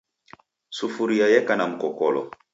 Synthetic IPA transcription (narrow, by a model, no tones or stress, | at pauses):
sufuɾijajɛkanam̩kɔkɔlɔ̰